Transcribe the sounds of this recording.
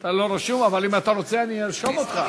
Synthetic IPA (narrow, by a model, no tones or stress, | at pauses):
t̪alo̞ɾaʃumavalimat̪aʁo̞t͡seaniiɾʃomot̪χa